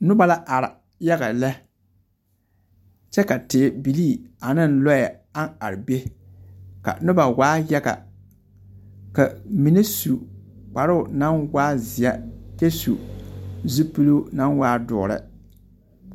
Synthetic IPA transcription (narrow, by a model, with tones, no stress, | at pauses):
nʊ˦ba˨la˦ʔa˨ɾɪ˨ | ja˦ɡa˨la˦ | t͡ʃɛ˦ka˨tɪ˨bi˨liː˦˨a˨nɪ˦nlɔ˦ja˨ | a˦na˨ɾɪ˨be˦ | ka̰˨nʊ˦ba˨waː˦jɛ˦ɡa̰˨ | ka˨mi˨ne˦su˨k͡pa˨ɾʊ˦˨na˦nwaː˦zɪ˨ja˦te˦sṵ˨ | zi˦pɨ˦lo˦na˦nwaː˦dʊ̰˨ɾɪ̰˦˨